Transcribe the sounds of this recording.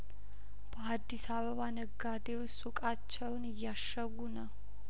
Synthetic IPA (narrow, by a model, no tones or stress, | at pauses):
b̥əad̪ːisaβəβanəɡːad̪ewsukʼat͡ʃːɛwnɨjːaʃːəɡunəw